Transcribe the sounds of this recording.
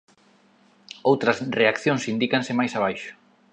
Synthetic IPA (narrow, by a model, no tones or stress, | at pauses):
owt̪ɾɐsreakθjõŋsind̪ikaŋsɪmajsaβ̞ajʃʊ̥